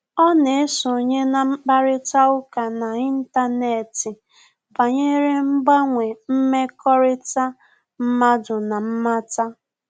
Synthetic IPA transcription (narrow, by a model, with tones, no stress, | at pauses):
ɔ˦ne˨e˦sʊ˨ɲe˦na˨m̩˦k͡pa˦ɾɪ˦ta˦ʊ˦ka˨na˨i˦n̩˦ta˦ne˨tɪ˨ | ba˨ɲe˦ɾe˦ŋ͡m̩˦ɡ͡ba˦ŋʷe˨m̩˦me˦kɔ˦ɾɪ˦ta˦ | m̩˦ma˦dʊ˨na˨m̩˦ma˦ta˦